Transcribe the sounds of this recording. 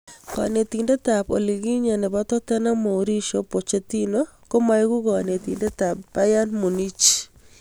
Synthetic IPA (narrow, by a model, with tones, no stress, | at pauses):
ka̰˨ne˨t̪i˨nde˦t̪a˨po̰˨li˨ɣi˦ɲa˨nɛ˨ba˦t̪ɔ˦t̪ɛ˦na˦mo˨oɾi˦ʃo˦po˨t͡ʃe˦t̪i˦no | ko˦ma˦jɣu˦ɣɔ˨ne˨t̪i˨nde˦t̪a˨pba˦ja˦nmo˨ni˦t͡ʃ